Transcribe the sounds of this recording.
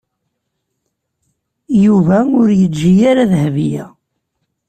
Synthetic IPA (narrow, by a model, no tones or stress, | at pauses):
juvæʊɾjət͡sːd͡ʒʒːijaɾaðhvijæ